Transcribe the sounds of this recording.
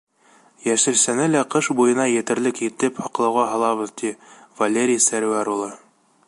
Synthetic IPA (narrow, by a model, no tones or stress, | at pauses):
jæʃɘ̆ɾsænɘlæqɤʃbujɤ̆nɑjɘ̆t̪ɘ̆ɾlɘkit̪ɘphɒqlˠɤ̆wʁɑɦɑ̆lˠɑβɤ̆ðt̪ivɐlʲeɾʲijsæɾwæɾulˠɤ